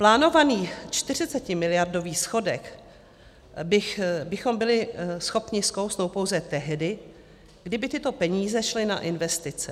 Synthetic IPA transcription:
plaːno̞vaniːt͡ʃt̪ɪrɪt͡sɛcɪmɪlɪjardo̞viːsxo̞dɛk | bɪxbɪxo̞mbɪlɪsxo̞pɲɪskowsnowpo̞wzɛt̪ɛɦdɪ | ɡ̥dɪbɪt̪ɪt̪o̞pɛɲiːzɛʃlɪna̰ʔɪnvɛst̪ɪt͡sɛ

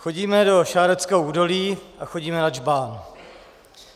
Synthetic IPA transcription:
xo̞ɟiːmɛdo̞ʃaːɾɛt͡skɛowʔuːdo̞liːʔaxo̞ɟiːmɛnad͡ʒbaːn

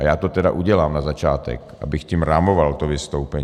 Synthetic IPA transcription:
ajaːt̪ot̪ɛda̰ʔuɟɛlaːmnazat͡ʃaːt̪ɛ̰kʔa̰bɪxcimɾamovalt̪ovɪst̪owpɛɲ

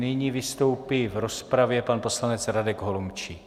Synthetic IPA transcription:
nɪɲiːvɪst̪o̞wpivɾospɾavjɛpanpo̞slanɛt͡sɾadɛɡɦolomt͡ʃi

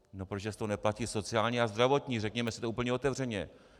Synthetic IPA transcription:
no̞pɾoʒɛst̪onɛplaciːso̞t͡sɪaːlɲiazd̪ɾavo̞t̪ɲirɛkɲɛmɛsɪt̪ouːpl̩ɲɛo̞t̪ɛvr̝ɛɲɛ

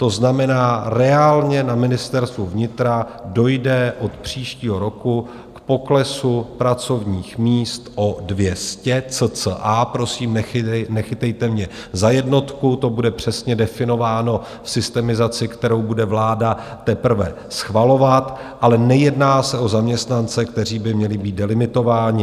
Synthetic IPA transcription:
t̪o̞znamɛnaːɾɛaːlɲɛnamɪnɪst̪ɛɾst̪vuvɲɪt̪ɾa | do̞jdɛʔo̞t̪pr̝̥iːʃciːɦo̞ɾo̞ku | kpo̞klɛsupɾat͡so̞vɲiːxmiːst̪ʔo̞dvjɛscɛt͡sət͡səʔapɾo̞siːmnɛxɪt̪ɛjt̪ɛmɲɛ | zajɛdno̞t̪kut̪o̞budɛpr̝̥ɛsɲɛdɛfɪno̞vaːno̞ | fsɪst̪ɛmɪzat͡sɪkt̪ɛɾo̞wbudɛvlaːdat̪ɛpr̩vɛ̰ | sxvalo̞vat̪ʔalɛnɛjɛdnaːsɛo̞zamɲɛst̪nant͡sɛkt̪ɛr̝iːbɪmɲɛlɪbiːdɛlɪmɪt̪o̞vaːɲɪ

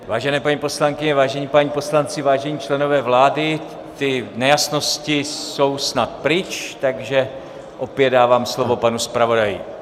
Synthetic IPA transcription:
vaːʒɛnɛːpaɲipo̞slaŋkɪɲɛvaːʒɛɲiːpaɲipo̞slant͡sɪvaːʒɛɲiːt͡ʃlɛno̞vɛːvlaːdɪ | t̪ɪnɛjasno̞scɪso̞wsnat̪pɾɪt͡ʃt̪aɡʒɛ | ʔo̞pjɛddaːvaːmslo̞vo̞panuspɾavo̞dajɪ̰

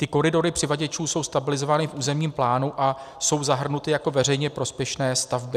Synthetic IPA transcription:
t̪ɪko̞ɾɪdo̞ɾɪpr̥ɪvaɟɛt͡ʃuːso̞wst̪abɪlɪzo̞vaːnɪfʔuːzɛmɲiːmplaːnuʔa | so̞wzaɦr̩nut̪ɪjako̞vɛrɛjɲɛpɾo̞spjɛʃnɛːst̪avbɪ

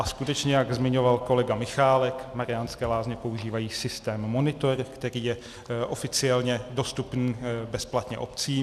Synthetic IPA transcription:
ʔaskut̪ɛt͡ʃɲɛjaɡzmɪɲo̞valko̞lɛɡamɪxaːlɛkmaɾɪanskɛːlaːzɲɛpo̞uʒiːvajiːsɪst̪ɛːmːo̞nɪt̪o̞ɾkt̪ɛɾiːjɛ | ʔo̞fɪt͡sɪɛlɲɛdo̞st̪upniːbɛsplat̪ɲɛ̰ʔo̞pt͡siː

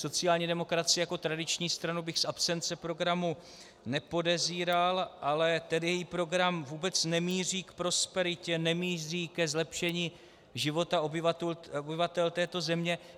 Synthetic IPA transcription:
so̞t͡sɪaːlɲiːdɛmo̞kɾat͡sɪɛjako̞t̪ɾadɪt͡ʃɲiːst̪ɾanubɪxsʔapsɛnt͡sɛpɾo̞ɡɾamu | nɛpo̞dɛziːɾalʔalɛt̪ɛdɪjɛjipɾo̞ɡɾamvuːbɛt͡snɛmiːr̝iːkpɾo̞spɛɾɪcɛnɛmiːriːkɛzlɛpʃɛɲiː | ʒɪvo̞t̪aobobɪvat̪ɛlt̪ɛːt̪o̞zɛmɲɛ

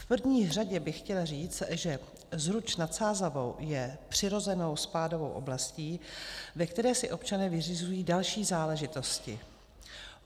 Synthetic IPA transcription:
fpr̩vɲiːr̝aɟɛbɪxcɛlariːt͡st̪ʒɛ | zɾut͡ʃnat̪saːzavo̞̰wjɛpr̝̥ɪɾo̞zɛno̞wspaːdo̞vo̞̰wʔo̞̰blasciːvɛkt̪ɛɾɛːsɪʔo̞pt͡ʃanɛːvɪrɪzujiːdalʃiːzaːlɛʒɪt̪o̞scɪ̰

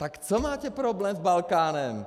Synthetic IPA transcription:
t̪akt͡somaːcɛpɾoblɛːmzbalkaːnɛm

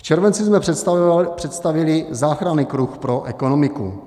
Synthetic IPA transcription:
ft͡ʃɛɾvɛnt͡sɪzmɛ | pr̥ɛt̪st̪avɪlɪzaːxɾaniːkɾuxpɾoʔɛkonomɪkṵ

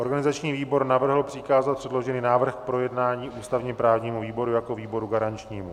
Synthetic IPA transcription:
ʔo̞ɾɡanɪzat͡ʃɲiːviːbo̞ɾnavr̩ɦl̩pr̥ɪkaːzat̪̚pr̥ɛdlo̞ʒɛniːnaːvr̩xkpɾo̞jɛdnaːɲiːʔuːst̪avɲɛpɾaːvɲiːmuviːbo̞ɾujako̞viːbo̞ɾuɡaɾant͡ʃɲiːmu

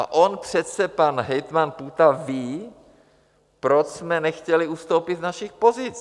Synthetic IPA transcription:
a̰ʔonpr̝̥ɛt̪sɛpanɦɛjt̪manput̪aviː | pɾot͡ʃsmɛnɛxcɛlɪust̪owpiznaʃixpo̞zɪt͡s

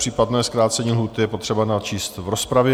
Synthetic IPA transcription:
r̝̥iːpadnɛːskɾaːt̪t͡sɛɲiːlɦuːt̪ɪjɛpo̞t̪r̥ɛbanat͡ʃiːst̪vɾo̞spɾavjɛ

